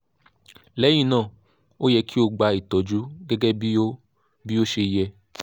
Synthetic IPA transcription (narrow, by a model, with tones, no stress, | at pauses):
lɛ˨˦j̃ĩ˦˧˨nãː˦˨ | o˦jɛ˧kʰi˦o˧ɡ͡ba˧i˨tɔ˨d͡ʒu˨˦ɡɛ˦ɡɛ˦bi˦o˦ | bi˦o˦ʃe˧jɛ˧